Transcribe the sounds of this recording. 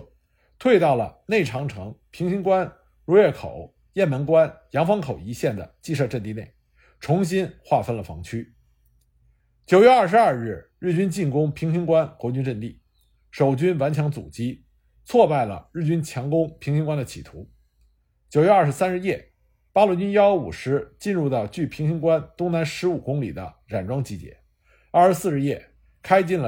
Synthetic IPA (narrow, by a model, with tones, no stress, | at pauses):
t̪ʰwe˥˧ɪt̪ɑ˥˩ʊlə̰˩ne˥˩ɪʈ͡ʂʰɑ˧˥ŋʈ͡ʂʰɤ˧˥ŋpʰi˧˥ŋɕi˥nkwa˥n | ɻɔ˧˥jɛ˥˩kʰo˨˩˦ʊ | jɛ˥˩nmə˧˥nkwa˥njɑ˧˥ŋfɑ˥ŋkʰo˨˩ʊi˧˥ɕjɛ˥˩nd̪ə̰˩t͡ɕi˥˧ʂɤ˥˧ʈ͡ʂə˥˧nt̪i˥˧ne˥˩ɪ | ʈ͡ʂʰʊ˧˥ŋɕ̬i˥nxwa˥˩fə˥nlə˨˩fɑ̰˧˥ŋt͡ɕʰy˥ | t͡ɕjo˨˩ʊɥɛ˥˧ɐ˞˥˩ʂɻ̩˧˦a˞˥˧ɻɻ̩˥˩ɻɻ̩˥˩t͡ɕy˥nt͡ɕi˥˩nkʊ˥ŋpʰi˧˥ŋɕi˥nkwa˥nkwɔ˧˥t͡ɕy˥nʈ͡ʂə˥˧nt̪i˥˩ | ʂo˨˩ʊt͡ɕy˥nwa˧˥nt͡ɕʰjɑ˧˥ŋt͡sṵ˨˩t͡ɕi˥ | t͡sʰwɔ˥˧pa˥˩ɪlə̰˩ɻɻ̩˥˩t͡ɕy˥nt͡ɕʰjɑ˧˥ŋkʊ˥ŋpʰi˧˥ŋɕi˥ŋkwa˥nd̪ə˨t͡ɕʰḭ˨˩t̪ʰu˧˥ | t͡ɕjo˨˩ʊɥɛ˥˧ɐ˞˥˩ʂɻ̩˧˥sa˥nɻ̩˥˧jɛ˥˩ | pa˥lwɔ˧˥˩t͡ɕy˥njɑ˥o˧˥ṵ˨˩ʂɻ̩˧˥t͡ɕi˥˧nɻu˥˧t̪ɑ˥˩ʊt͡ɕy˥˩pʰi˧˥ŋɕi˥ŋkwa˥nt̪ʊ˥ŋna˧˥nʂɻ̩˧˥u˨˩kʊ˥ŋli˨˩d̪ə̰˦ | ɻa˨˩nʈ͡ʂwɑ˥ŋt͡ɕi˧˥˩t͡ɕjɛ̰˧˥ | a˥˩ʂɻ̩˧˥sɹ̩˥˧ʂɻ̩˥˧jɛ˥˩ | kʰa˥ɪt͡ɕi˥˩nlə˩